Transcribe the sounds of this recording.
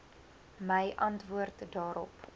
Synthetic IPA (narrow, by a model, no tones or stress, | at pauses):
məjʔɐntvuərtdɑːɾɔ̰p